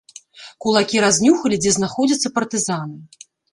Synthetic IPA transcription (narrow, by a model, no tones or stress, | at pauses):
kulˠakʲiɾazʲnʲuxɐlʲid͡zʲɛznaxɔd͡zʲɐt̪sːɐpɐrt̪ɨzanɨ